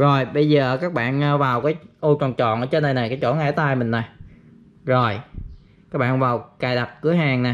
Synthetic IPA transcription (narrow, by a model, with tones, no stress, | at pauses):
zo˨˩jɓə˧jzəː˨˩kaː˦˥k̚ɓa̰ː˧˨nəː˧vaː˨˩wkaː˨˦jʔu˧t͡ɕɔ̰˨˩nt͡ɕɔ̰˧˨nʔəː˨˧˦t͡ɕe˧˦nɗə˧na˨˩jkaː˨˦jt͡ɕo˧˩˦ŋa̰˧˥t̪aː˧jmï˨˩ŋ̟na˨˩j | zo˨˩j | kaː˦˥k̚ɓa̰ː˧˨nvaː˨˩wkaː˨˩jɗa˨˩p̚kɨ˨˦əɦaː˨˩ŋna˨˩